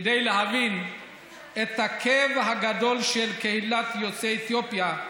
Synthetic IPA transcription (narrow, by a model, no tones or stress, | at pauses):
dejleɦavin | e̞t̪hakʰevɦaɡad̪o̞lʃelke̞hilat̪jot͡seet̪jopja